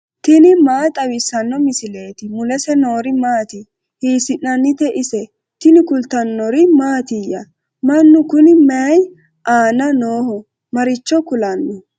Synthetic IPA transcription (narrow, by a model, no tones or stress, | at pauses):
t̪ɪnɪmaːt̪ʼɐwɪsːɐnːɔmɪsɪleːt̪ɪmʊlɛsɛno̞ːɾɪmaːt̪ɪ | hiːsɪnːɐnːɪt̪ɛʔɪsɛ | t̪ɪnɪkʊlt̪ɐnːɔɾɪmaːt̪ɪjɐ | mɐnːʊkʊnɪmɛj | ʔaːnɐnoːhɔ | mɐɾɪt͡ʃːɔkʊlɐnːɔ